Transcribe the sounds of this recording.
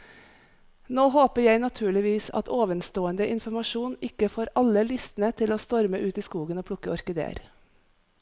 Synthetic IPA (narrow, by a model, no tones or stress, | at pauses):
noːɦoːpəjæɪnɑt̪ʰʉːɭɪʋiːsɑ̰t̪ʰoːʋənst̪oːənd̪əʔɪnfɔɾmɑʃuːnɪkəfoːɾɑləlʏst̪n̩ət̪ʰɪloːst̪ɔɾməʔʉːt̪iːskuːɡənoːpʰɽʊkəɔɾkəd̪ḛːɾ